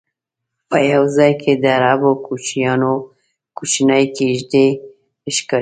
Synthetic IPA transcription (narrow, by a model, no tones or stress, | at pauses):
pəjawzɑjkʰed̪əaɾɑbokʰut͡ʃijɑno | kut͡ʃinajkeʒd̪e | ɪʃka